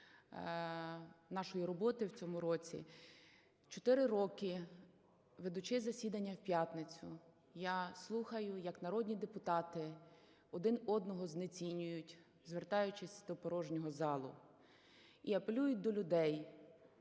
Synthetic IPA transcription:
nɑʃɔjiɾɔbɔt̪ɪwt͡sʲɔmʊɾɔt͡sʲḭ | t͡ʃɔ̥t̪ɪɾɪɾɔkɪ | ʋed̪ʊt͡ʃɪzɐsʲid̪ɐnʲːɐwpʲjat̪nɪt͡sʲʊ | jaslˠuxɐjʊjɐknɐɾɔd̪ʲnʲid̪epʊt̪ɑt̪ɪ | ɔd̪ɪnɔd̪nɔɦɔznet͡sʲinʲʊjʊtʲ | zʋert̪ɑjʊt͡ʃɪsʲd̪ɔpɔɾɔʒnʲɔɦɔzɑlˠʊ̰ | iɐpelʲujʊt̚ʲd̪ɔlʲʊd̪ɛj

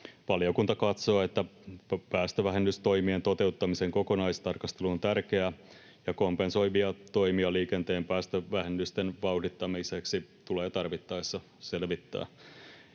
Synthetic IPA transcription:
ʋɑljokunt̪ɑkɑt̪so̞ːe̞t̪ːæpæːst̪øʋæɦenːyst̪o̞jmient̪o̞t̪e̞ut̪ːɑmise̞ŋko̞ko̞nɑist̪ɑrkɑst̪e̞luont̪ærke̞æ | jɑko̞mpenso̞jʋiɑt̪o̞jmiɑliːke̞nt̪e̞ːmpæːst̪øʋæɦenːyst̪enʋɑwdit̪ːɑmiseksit̪uleːt̪ɑrʋit̪ːɑesːɑ | se̞lʋit̪ːæ̰ː

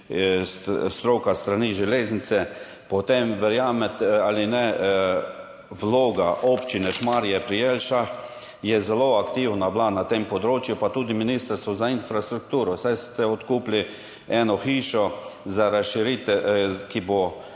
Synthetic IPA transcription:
sst̪ɾokast̪ɾaniʒɛleːznit͡ssɛ | pɔt̪emʋɛɾjaːmɛt̪alinɛ | ʋloːɡaʔopt͡ʃinɛʃmaɾjɛpɾijelʃax | jɛzɛloakt̪iːwnablanat̪empɔd̪ɾoːt͡ʃjupat̪uːd̪iminist̪əɾst̪ʋɔzainfɾast̪ɾuk̚t̪uːɾɔsajst̪ɛɔt̪kuːpli | ɛnɔxiːʃɔzaɾasʃiɾit̪ɛkibo

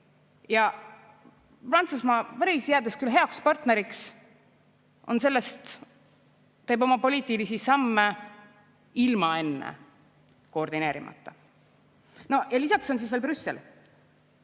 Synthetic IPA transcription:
jɑ | prɑnt̪susmɑvɑɾisjeæd̪eskylɦe̞ɑkspɑrt̪ne̞ɾiks | ʔo̞̰nse̞lːest̪ | e̞ːbo̞mɑpo̞liːt̪ːˑilisisɑmːe | ilmɑe̞nːḛ | ko̞rd̪ine̞ːɾḭmɑ̰t̪ːˑɑ | no̞jɑlisɑkso̞ns̬iːsvelbɾysːḛl

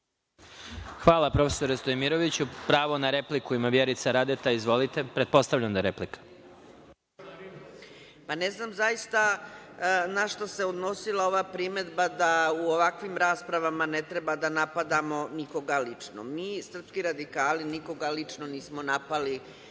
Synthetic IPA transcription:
xʋaːlˠapɾo̞fe̥so̞ɾest̪ojmiɾoʋit͡ɕupɾaːʋo̞naɾeplikuimaʋjeɾit̪saɾad̪et̪aizʋo̞lit̪e̞pɾed̪̚po̞st̪aʋʎamd̪aɾeplikḁ | paneznaːmzajist̪a | naʃt̪ose̞od̪no̞silˠao̞ʋaːpɾime̞d̪bad̪auoʋakʋimɾaːspɾaʋamanet̪ɾebad̪anapad̪amo̞niko̞ɡalit͡ʂno̰miːsr̩pskiɾad̪ikaːliniko̞ɡalit͡ʂnoniːsmo̞napali

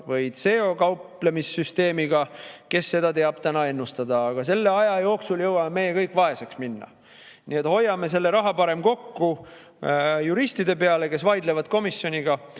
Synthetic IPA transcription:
vɤjd̪̥se̞o̞kɑwple̞misːyst̪e̞ːmiɡ̥ɑke̞sːe̞d̪̥ɑt̪e̞ɑb̥t̪ænɑe̞nːust̪ɑd̪ɑːɡ̥ɑse̞lːe̞ɑjɑjo̞ːksuljɤwɑmeme̞jekɤjkːˑvɑe̞se̞ksminːɑ̰ | niet̪ho̞jːɑme̞s̬e̞lːe̞ɾɑɦɑpɑɾe̞mko̞kːu | juɾist̪id̪e̞pe̞ɑle̞ke̞svɑjd̪le̞vɑd̪̥ko̞misjo̞nʲiɡ̥ɑ

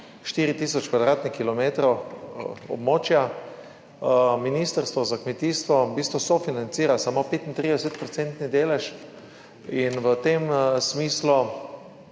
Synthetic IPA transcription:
ʃt̪iːɾit̪iːsɔt͡ʃkʋad̪ɾaːt̪nixkːilɔmet̪ɾow | ɔ̰bmoːt͡ʃja | miniːst̪əɾst̪ʋɔzakmet̪iːst̪ʋɔbiːst̪ʋɔsɔfinant̪siːɾasamopeːt̪int̪ɾid̪ɛset̪̚pɾɔsent̪nid̪eːlɛʃ | inʋət̪emsmiːslu

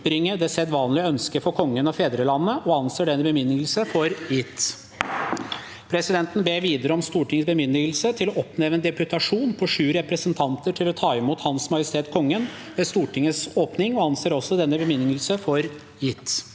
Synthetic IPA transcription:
ɾɪŋːəd̪ɛsɛt̪ʋɑːnlɪœnskəfɔɾkʰɔŋːənɔfeːd̪ɾəlɑnːəʔɔɑnseːɖɛnːəbəmʏnːɪŋəl̩səfɔɾjɪt̪ː | pʰɾɛsɪd̪ɛnt̪n̩beːɾʋiːd̪əɾəɔmst̪uːʈʰɪŋəsbəmʏnd̪ɪɡəl̩sət̪ʰɪlɔɔpnɛʋənd̪ɛpʉt̪ʰɑʂuːnpʰɔʂʉːɾɛpɾəsənt̪ʰɑnt̪əʈʰɪlɔt̪ʰɑːɪmuːt̪hɑnsmɑjəst̪ʰeːt̪kʰɔŋːən | ʋeːst̪uːʈʰɪŋːəsoːpnɪŋɔɑnseːɾɔsːɔd̪ɛnːəbəmʏnɪŋəlsəfɔɾ | jɪt̪ː

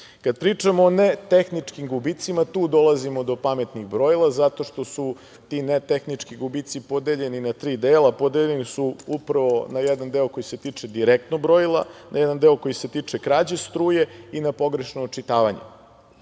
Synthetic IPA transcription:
kad̪̚pɾiːt͡ʂamoːnet̪exnit͡ʂkimɡubit̪simat̪uːd̪o̞lˠazimo̞d̪o̞pame̞t̪niɣbɾo̞jlˠazat̪o̞ʃt̪o̞su | t̪inet̪exnit͡ʂkiɡubit̪sipo̞d̪eʎe̞ninat̪ɾiːd̪eːlˠapo̞d̪eʎenisuupɾaʋo̞najɛd̪and̪eoko̞jiset̪iːt͡ʂed̪iɾek̚t̪nobɾojilˠa̰najɛd̪and̪eoko̞jiset̪iːt͡ʂekɾaːd͡ʑest̪ɾuːje̞inapo̞ɡɾe̞ʃnoːt͡ʂit̪aːʋaɲḛ

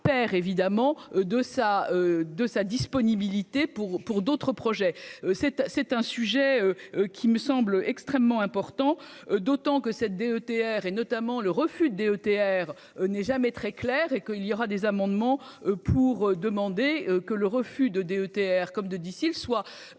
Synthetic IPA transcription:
pɛʁevid̪amɑ̃d̪əsaød̪əsad̪ispɔnibilit̪epuʁpuʁd̪ot̪χəpχɔʒɛøsɛt̪sɛt̪ɛ̃syʒɛøøkʲiməsɑ̃bləʔɛkst̪χɛmːɑ̃ɛ̃pɔʁt̪ɑ̃d̪ot̪ɑ̃kəsɛt̪̚d̪eøt̪eɛʁenɔt̪amɑ̃ləʁəfyd̪əd̪eøt̪eɛʁ | ønɛʒamɛt̪χɛklɛːʁekəilijɔʁad̪ezamɑ̃d̪mɑ̃ | øpʰuʁød̪əmɑ̃d̪eøkələʁəfyd̪əd̪eøt̪eɛʁkɔmd̪əd̪isilswa

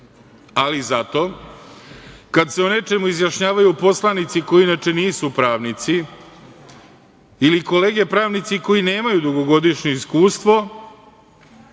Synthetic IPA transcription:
alizat̪o̞ | kad̪se̞one̞t͡ʃe̞muizjaʃɲaːʋajupo̞slanit̪siko̞jiinat͡ʃe̞niːsupɾaːʋnit̪si | liko̞le̞ːɡe̞pɾaːʋnit̪siko̞ine̞ːmajud̪uɡo̞ɡo̞d̪iʃɲe̞iskuːst̪ʋo̞

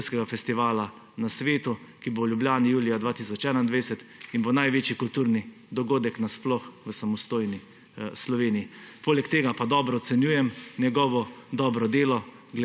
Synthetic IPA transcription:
skɛɡafɛst̪iʋaːla | nasʋeːt̪ukibowljubljaːnijuːlijad̪ʋaːt̪isɔt͡ʃɛːnaind̪ʋadsɛt̪inbonajʋeːt͡ʃjikult̪uːɾni | d̪ɔɡoːd̪ɛknasplɔxʋəsamɔst̪oːjni | slɔʋeːnijipoːlɛkt̪eːɡapad̪ɔːbɾɔɔt̪sɛnjuːjɛmnjɛɡɔːʋɔd̪ɔːbɾɔd̪eːlɔ | ɡl

